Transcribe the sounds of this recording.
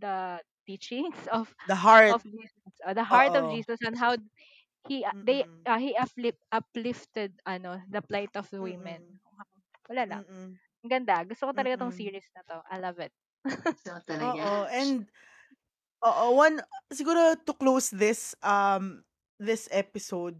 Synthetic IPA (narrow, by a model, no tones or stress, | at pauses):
d̪ɐt̪iːt͡ʃɪŋsɔfd̪ɐɦaɹɔfd͡ʒiːssʔod̪ɐɦaɹtɔfd͡ʒiːsɐsɛ̃nɦaw | hid̪ejʔɐhiʔɐpʔɐplɪft̪ɛd̪̚ʔɐnod̪ɐplajt̪ɔfwɪmɛno | wɐlaːlɐ̰ŋ | ɐɡɐnd̪aɡʊst̪okot̪ɐlɐɡat̪oŋsiːɹɪsnɐt̪oʔɐ̰jlɐvɪt̪̚ | t̪ɐlɐoɡoɛ̃nd̪̚ | ʔoːʔowɐnsɪɡuːɾot̪ʊklowsðɪsʔɐm | ðɪsɛpɪsowd̪̚